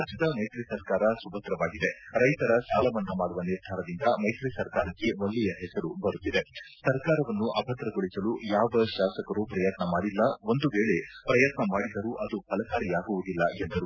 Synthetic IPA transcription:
ad͡ʒɐd̪ɐmɐjt̪ɾisɐɾkaːɾɐsubɐt̪ɾɐʋaːɡid̪e̞ɾɐjt̪ɐɾɐsaːlɐʋɐnːumaːɽuʋɐniɾd̪ʱaːɾɐd̪ind̪ɐmɐjt̪ɾisɐɾkaːɾɐkːe̞ʋoɭːijɐɦɛsɐɾubɐɾut̪ːid̪esɐɾkaːɾɐʋɐnːuʔɐbʱɐt̪ɾɐɡoɭisɐlujaːʋɐʃaːsɐkɐɾupɾɐjɐt̪nɐmaːɽilːɐo̞nd̪uʋeːɭe̞pɾɐjɐt̪nɐmaːɽid̪ɐɾuʔɐd̪upɐlɐkaːɾijaːɡuʋud̪ilːɐend̪ɐɾu

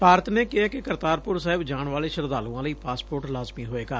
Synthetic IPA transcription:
paːɾət̪neːkɪɦaːkɪkəɾt̪aːɾpʊɾsaːɦɪbd͡ʒaːɳʋaːleːʃəɾd̪aːlũːãːləiːpaːspoːɾʈlaːzmiːɦoːeːɡaː

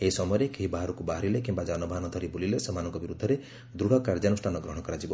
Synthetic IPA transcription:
eɦisɔmɔjɾekeɦibaɦaɾɔkubaɦaɾilekimbad͡ʒanɔbʱaɦanɔd̪ʱɔɾibulilesɔmanɔŋkɔbiɾud̪ʱːɔɾe | d̪ɾuɽ̤ɔkaɾd͡ʒanusʈʰanɔɡɾɔɦɔ̃kɔɾad͡ʒibɔ

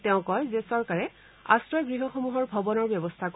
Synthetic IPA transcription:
tɛʊ̃kɔjzesɔɹkaɹɛ | a̰sɹɔjɡɹiɦɔxɔmuɦɔɹbʱɔbɔnɔɹbjɛbɔst̪ʰak

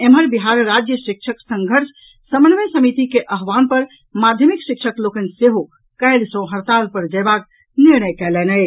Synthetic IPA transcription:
emɦəɾbiɦaɾɾad͡ʒjəʃik̚t͡ʃʰəksə̃ŋɡʱəɾsʰ | səmənmesəmit̪ikeʔəɦʋanpəɾ | mad̪ʱjəmikʃikʃʰəklokənseɦo | kəjlsə̃ɦəɾt̪alpəɾd͡ʒəbak | niɾnəjkɛlɛnəj

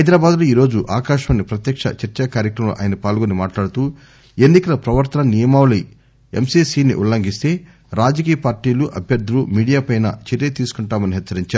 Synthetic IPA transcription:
ɐjd̪ɾaːbaːd̪luːiːɾo̞ːd͡ʒuʔaːkaːʃɐɐnːipɾɐt̪jɐkʂɐ̰t͡ʃɐɾt͡ʃɐkaːɾjɐkɾɐmlṵʔa̰ːjnɐpaːlɡonimaːʈlaːɽut̪uː | enːikɐlɐpɾɐʋɐɾt̪ɐnɐnijɐmaːwli | emsiːsiːnḭʔṵlːɐŋɡist̪e̞ː | ɾaːd͡ʒɐk̬iːjɐpaːɾʈiːluʔɐbʱjɐɾd̪ʱulumiːɽijaːpɐjnɐ̰t͡ʃeɾjet̪iːsu̥kuɳʈaːmɐniɦɛt͡ʃːɐɾiɲt͡ʃaːɾu

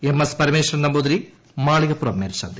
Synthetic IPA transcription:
emɐspɐɾimeːʂrɐnnɐmboːd̪ɾi | maːɭiɣɐpːuɾɐmːeːɾsa̰ːnd̪i

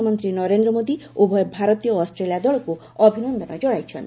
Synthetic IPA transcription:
mɔnt̪ɾinɔɾend̪ɾɔmod̪iobʱɔjɔbʱaɾɔt̪ijɔːsʈɾelijad̪ɔɭɔku | ɔbʱinɔnd̪ʱɔnɔd͡ʒɔɽajt͡ʃʰɔ̰nt̪

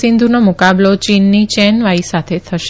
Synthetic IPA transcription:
ɪnd̪ʱunomʊkablot͡ʃinːit͡ʃɛnʋaisat̪ʰet̪ʰəʃ

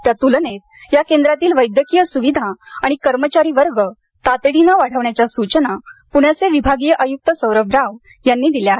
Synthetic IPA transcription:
t̪jat̪ulnet̪̚jakend̪ɾat̪iːlʋəjd̪jəkijəsuʋid̪ʱaaɽ̃ikəɾmət͡ɕaɾiːʋəɾɡə | t̪at̪ɽinaʋaɽ̤əʋɳjat͡ɕjasut͡ɕənapuɳjaseʋibʱaɡijəʔəjuk̚t̪əsəwɾəbɾaʋ | janːiːd̪iljae

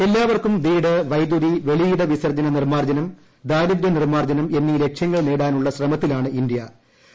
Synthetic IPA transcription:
e̞lːaːʋɐrkumd̪iːɽɨʋɐjd̪ud̪iʋe̞ɭijɽɨʋisɐrd͡ʑɐnɐnirmaːrd͡ʑɐnɐm | d̪aːɾud̪ɾɐnirmaːrd͡ʑɐnɐme̞nːile̞kʂjɐŋːɐɭneːɽaːnuɭːɐsrɐmɐt̪ːilaːɳɨind̪ijɐ

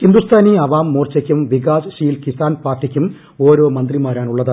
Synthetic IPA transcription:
hind̪ust̪ʰaːniɐʋaːmːoːrt͡ɕɐkʲːumʋiɡaːsʂijlkisaːnpaːrʈikʲːum | o̞ːɾoːmɐnd̪rimaːɾaːnuɭːɐðɐ

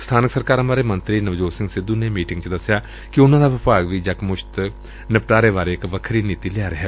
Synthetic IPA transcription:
st̪ʰaːnɪksəɾkaːɾɦə̃maːɾemə̃nt̪ɾinɐʋd͡ʒoːsɪ̃ŋɡsɪd̪unemiːʈɪ̃ŋɡt͡ʃd̪ɐsːja | kiʊnãːd̪aːʋɪpaːɡʋid͡ʒɐkmʊʃt̪ | nɪpʈaːɾeʋaːɾeɪkʋəkʰɾiniːt̪ilɪjaːɾɐɦɛː

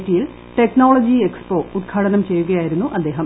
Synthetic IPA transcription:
tːijil | ʈeknoːɭod͡ʑiekspo̞ːut̪̚kʰaːɽɐnɐmt͡ɕe̞jːuɣɐjaːjiɾunːuʔɐd̪ːe̞ːɦɐm

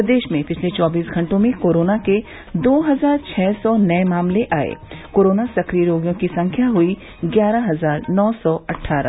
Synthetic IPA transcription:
d̪eːʃmẽpɪt͡ʃʰlet͡ʃɔːbiːsɡʱɐ̃ɳʈõmẽkoːɾoːnake | d̪oːɦɐzaːɾt͡ʃʰɛːsɔnɐɛmaːmleʔaːḛːkoːɾoːnasɐkɾijəɾoːɡjõkisɐ̃ŋkʰjaɦʊi | ɡjaːɾaɦɐzaːɾnɔːsɔɐʈʰːaːɾã̰

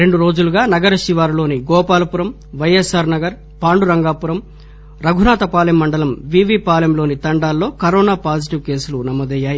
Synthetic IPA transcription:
ɾe̞ɳɖuɾo̞ːd͡ʒuluɡaːnɐɡɐɾɐʃiʋaːɾlo̞ːniɡɔːpaːlɐpuɾɐm | ʋɐjesaːɾnɐɡɐɾ | paːɳɖuɾɐŋɡaːpuɾɐm | ɾɐɡʱunaːt̪ɐpaːljɐmːɐɳɖɐlɐmʋiːʋiːpaːlɐmlo̞ːnit̪ɐɳɖaːlːo̞ːkɐɾɔːnaːpaːd͡ʒiʈiʋke̞ːsulunɐmɔːd̪ɐjːaːji

